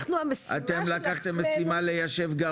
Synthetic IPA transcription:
χnuamesat̪emlakaχt̪emːesimalejaʃe̞vɡa

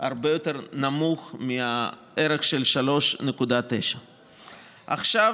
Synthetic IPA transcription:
a̰ʁbejo̞t̪e̞ʁnamuχmia | ʔeɾeχʃelʃalo̞ʃnekud̪at̪eʃa | ʔa̰χʃav

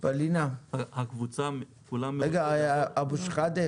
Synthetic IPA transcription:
b̥alinahakvut͡sa | kulameɡaabuʃχad̪e

